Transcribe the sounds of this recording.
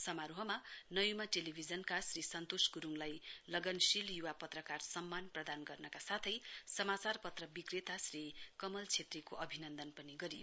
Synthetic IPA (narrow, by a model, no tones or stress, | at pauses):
sʌmaɾoɦʌmanʌjumaʈelibʱid͡zʌnkasrisʌnt̪osɡuɾuŋlajlʌɡʌnsiljuwapʌt̪rʌkarsʌmːanprʌd̪anɡʌrnʌkasat̪ʰʌjsʌmat͡sarpʌt̪rʌbikret̪asrikʌmʌlt͡sʰet̪rekoʔʌbʱinʌnd̪ʌnpʌniɡʌɾijo